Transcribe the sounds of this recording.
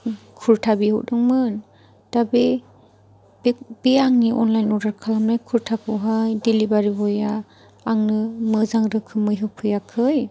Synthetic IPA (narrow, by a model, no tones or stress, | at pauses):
kʰuɾtʰabiɦɔ̰wʔ̚dɯŋmɯn | d̥abe | bb̥eaŋniʔɔnlajnɔdaɾkʰalamnajkʰuɾtʰakʰɯɦajdilibaɾibɔjaː | ŋnɯmɯzaŋɾɯkʰɯmɯjɦɯpʰɯjakʰɯj